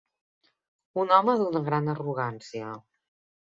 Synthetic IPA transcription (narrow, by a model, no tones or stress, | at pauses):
unɔməðunəɣ̞ɾanəruɣ̞ansiə